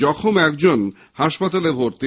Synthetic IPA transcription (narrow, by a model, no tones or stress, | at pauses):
ɔkʰomɛkd͡ʑon | haʃpat̪alebʱoɾt̪i